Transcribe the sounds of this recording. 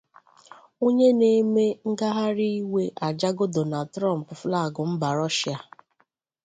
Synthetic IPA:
o˦ɲe˦ne˦me˦ŋ̩˦ɡa˦ɦa˦ɾi˦i˦we˦ʔa˨d͡ʒa˦ɡʊ˦do˨na˨tɾɔ˦˨m̩˨pfla˦˨ɡʊ˨m̩˦ba˨ɾɔ˦ʃi˨a˨

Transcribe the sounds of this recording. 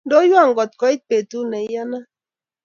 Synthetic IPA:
ndo˦jwa˦˨ŋɡɔ˨t̪̚kɔ˨ɪ˦t̚pe˨tu˦nɛ˨ɪ˦ja˦na˦

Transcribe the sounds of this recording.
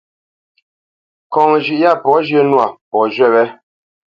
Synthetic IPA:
kɔ˨ŋ˨ʒi˨ʔja˦˨pɔ˨˦ʒjə˦nwa˨pɔ˨ʒɥɛ˦˨βɛ˦

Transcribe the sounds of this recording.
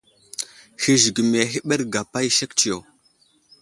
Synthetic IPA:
hi˦ʒi˨ɡi˨m˨e˨ɦi˦ɓe˦ɾɡa˨pa˦jʃe˦kt͡ʃi˨jo˨

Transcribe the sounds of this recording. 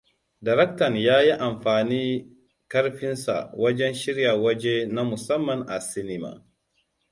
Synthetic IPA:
da˨ɾɛ˦k̚tɐ˨njaː˦ji˦ʔa˨mɸaː˨niː˦ | kɐ˦ɽɸɪ˦nsa̰˨wɐ˦d͡ʒɛ˦nʃɪ˦ɾja˨wɐ˦d͡ʒe˦na˦mʊ˨sɐ˦mːɐ˨ŋʔa˨sɪ˦nɪ˦ma̰ː˨

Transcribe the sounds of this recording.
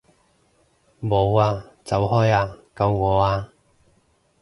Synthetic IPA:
mo˨˧waː˧t͡sɐ˨˥wɦɔː˥jaː˧kɐ˧wŋɔː˨˧aː˧

